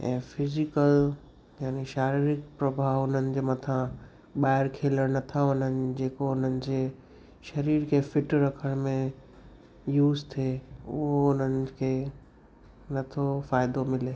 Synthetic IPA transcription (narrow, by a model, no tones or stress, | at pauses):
ɛ̰̃ːfɪzɪkəl | jaːneʃaːɾiɾɪk̚pɾɐbʱaːɦʊn̤ənɪ̆d͡ʑeːmɐt̪ʰã | ɓaːɪɾkʰeːləɽ̃nɐt̪ʰaʊn̤ənɪ̆d͡ʑeːkoʊn̤ənɪ̆d͡ʑeː | ʃɐɾiːɾkʰefɪʈɾɐkʰəɽ̃mẽ | juːzt̪ʰeʊɦoʊn̤ənɪ̆kʰeː | nɐt̪ʰofaːɪd̪omɪleː